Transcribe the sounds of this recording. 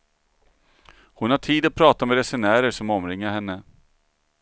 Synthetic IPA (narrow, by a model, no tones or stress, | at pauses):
hʊnhaʈʰiːd̪ɔpʰɾɑːt̪amɛɾɛsɛnæːɾəʂɔmɔmɾɪŋːaɾhɛnːə